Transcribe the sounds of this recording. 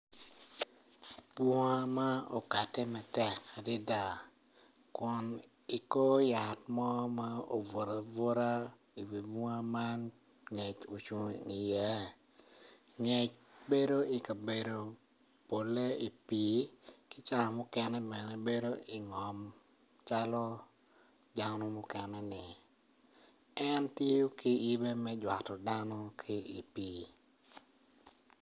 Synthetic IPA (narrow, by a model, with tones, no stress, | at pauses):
pu˦ŋa˦ma˦o˨ka˨tɛ˦mɛ˨tɛ˨kːa˨dɪ˦da˨ | kʊ˨n | i˨ko˦ja˨tmɔ˦ma˦o˨vʊ˨ɾa˨vʊ˦ɾa˦ | i˨wi˨vu˦ŋa˦ma˦n | ɲɛ˨t͡ʃo˨t͡ʃu˨ŋi˨jɛ˦ | ŋɛ˨t͡ʃbe˦do˦i˨ka˨be˨do˨ | po˨le˦i˨pi˨kɪ˦t͡ʃa˦lɔ˨mɔ˦kɛ˦nɛ˦bɛ˨nɛ˨be˦do˦i˨ŋɔ˨m | t͡ʃa˦lɔ˦ | da˦nɔ˦mɔ˦kɛ˨nɛ˦nɪ˨ | ɛ˦nti˦jo˦kɪ˦i˦be˦mɛ˦d͡ʒwa˨tɔ˨da˦nɔ˦kʰɪ˦i˨piː˦